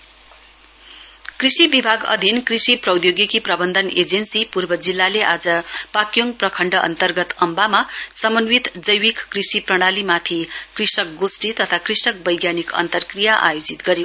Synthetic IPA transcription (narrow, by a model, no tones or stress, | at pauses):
krisibibʱaɡʌ̰d̪ʱinkrisiprʌwd̪joɡikiprʌbʌnd̪ʱʌned͡zensipurbʌd͡zilːaleʔad͡zʌpakjoŋprʌkʰʌɳɖʌʔʌ̰nt̪ʌrɡʌt̪ʌmbamasʌmʌnwit̪d͡zʌjwikkrisiprʌɽ̃alimat̪ʰikrisʌk̚ɡosʈit̪ʌt̪ʰakrisʌk̚bʌjɡjanikʌ̰nt̪ʌrkrijaʔa̰jod͡zit̪ɡʌɾjo